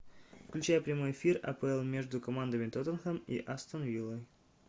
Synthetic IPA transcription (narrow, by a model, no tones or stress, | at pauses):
fklʲʉt͡ɕæjəpɾʲɪmo̞jɪfʲirɐ̰pəɛlˠmʲeʐd̪ʊkɐmand̪əmʲɪt̪ot̪ənxəmḭʔast̪ənvʲilˠoj